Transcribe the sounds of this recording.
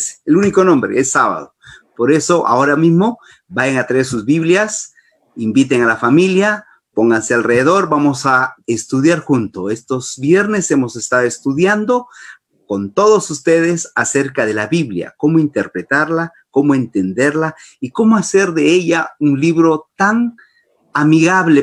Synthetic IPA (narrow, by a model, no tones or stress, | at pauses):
seluniko̞nõ̞mbɾḛesːaβa̰ðopo̞ɾe̞so̞ʔa̰o̞ɾamizmo̞ | bajaŋat̪ɾesuzβiβljas | imbit̪e̞ŋalafamilja | po̞ŋɡansealreðeðo̞ɾbamo̞saest̪uðjaɾxunt̪oe̞st̪o̞zbje̞ɾne̞se̞mo̞se̞st̪aðoest̪uðjand̪o̞ | ko̞nt̪o̞ðo̞sust̪e̞ð̞e̞sase̞ɾkaðe̞laβiβlja̰ko̞moint̪e̞ɾpɾe̞t̪aɾla | ko̞moe̞nt̪e̞nd̪e̞ɾlaiko̞moaseɾðe̞eʎaunliβɾo̞t̪aŋ | amiɣaβle